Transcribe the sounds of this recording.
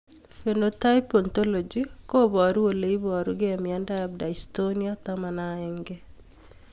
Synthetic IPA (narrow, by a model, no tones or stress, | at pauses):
fenotajpɔntolod͡ʒikobɔɾuwoleibɔɾuɡɛmjandajab̚daistoniɔtamanaɛŋɡɛ